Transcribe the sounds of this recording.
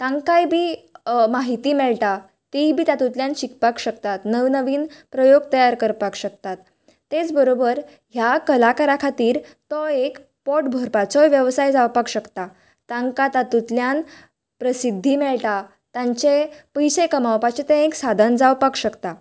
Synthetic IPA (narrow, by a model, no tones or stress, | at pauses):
t̪ãŋɡkajbʱiːmaɦit̪iːmɛɭʈ̪a | t̪ibʱiːt̪at̪ut̪ljãnɕikpakɕəkt̪at̪nəʋnəʋiːnpɾəjoɡ̚t̪əjaɾkəɾpakɕək̚t̪at̪ː | et͡sbəɾobəɾ | ɦjakəlakaɾakʰat̪iːɾt̪ɔek | pɔʈbʱɔɾpat͡sɔʋjəʋsajd͡zawpakɕəkt̪a | t̪ãŋɡkat̪at̪ut̪ljan | pɾəsid̪ʱːimɛɭʈa | t̪ãɲt͡ɕepəjsekəmawpat͡ɕet̪ẽeksad̪ʱənd͡zawpakɕəkt̪a